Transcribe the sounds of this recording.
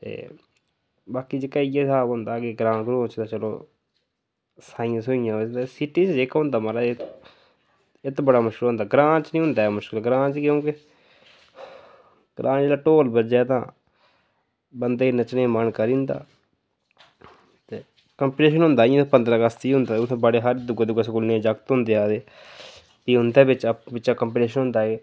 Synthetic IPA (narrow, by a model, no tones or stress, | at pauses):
t̪ḛː | baːkiːd͡ʒekaːiesaːbɦʊnd̪aːkɪɡɾãːɡɾõːt͡ʃt̪aːt͡ʃəlo̰ː | saːĩːãːsoɪjãːəd͡ʒd̪asɪʈiːt͡ʃd͡ʒeːkːɦʊ̃nd̪aːməɾaːe | ɪt̪bəɽaːmʊʃkɪlõnd̪aːɡɾãːt͡ʃnĩːɦʊnd̪aːɛmʊʃkəlɡɾãːt͡ʃkjõːkɪ | ɡ̥ɾʔãːt͡ʃd͡ʒeːaːʈoːlbəd͡ʒaːt̪ãː | bənd̪eːinət͡ʃnẽːmənkəɾiʊ̃nd̪a̰ː | t̪eː | kəmpiʈeːʃənɦʊ̃nd̪aːiãpənd̪ɾaːɡəst̪iːʊnd̪aːʊt̪ʰːbəɽeːɦəɾd̪ʊɡed̪ʊɡaːskʊlnẽːd͡ʒəkt̪ɦʊ̃nd̪eːaːd̪eː | t̪iːɦʊnd̪eːbɪt͡ʃbɪt͡ʃaːkəmpiʈeːʃənɦʊ̃nd̪aːeː